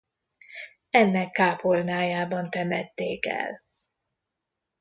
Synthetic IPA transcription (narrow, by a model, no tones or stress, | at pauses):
ɛnːɛkːaːpolnaːjaːbɒnt̪ɛmɛt̪ːeːkɛ̰l